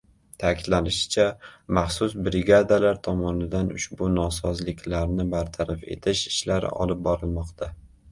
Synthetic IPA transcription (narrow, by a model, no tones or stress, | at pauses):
t̪ʰakʲʰɪd̪lanɪʃɪ̥t͡ʃʰamaχsʊsbɾɪɡad̪alaɾt̪ʰɒmɒnɪd̪anʊ̰ʃbʊnɒsɒzlɪkʲʰlaɾnɪbaɾt̪ʰaɾafe̞̰t̪ʰɪʃɪ̥ʃlaɾɪ̰ɒ̰lˠɪp̚bɒɾɪlˠmɒqt̪ʰa